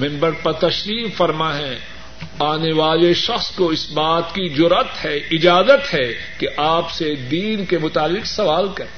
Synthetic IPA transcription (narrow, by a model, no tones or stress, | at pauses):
mɛ̃mbəɾpɐɾt̪ɐʃɾiːfɐɾmaɦɛ̃ | aːneʋaːleʃɐxskoɪsbaːt̪kizʊɾət̪hɛɪd͡ʒaːzət̪hɛ | keʔaːpsed̪iːnkemʊt̪aːlɪqsɐʋaːlkɐɾeː